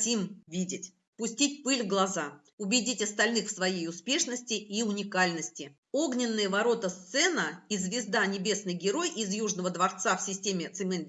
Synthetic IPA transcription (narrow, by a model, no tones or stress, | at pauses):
tʲimvʲidʲɪtʲ | pʊsʲtʲitʲpɨlʲvɡlˠɐza | ʊbʲɪdʲitʲɐst̪ɐlʲnɨxfsvɐjejʊspʲe̞ʂnəsʲtʲɪʔiʊnʲɪkalʲnəsʲtʲɪ | o̞ɡnʲɪnːəjəvɐɾo̞t̪əst̪sɛnəizvʲɪzd̪anʲɪbʲe̞snɨjɡʲɪɾo̞jizjuʐnəvəd̪vɐrt̪safsʲɪsʲtʲemʲɪt̪sɨmʲɛn